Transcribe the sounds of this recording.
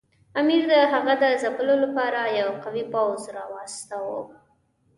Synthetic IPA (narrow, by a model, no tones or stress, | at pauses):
amiɾd̪əɦaɣad̪əzapəlolapɑɾajawqawipawzɾɑwast̪awo̰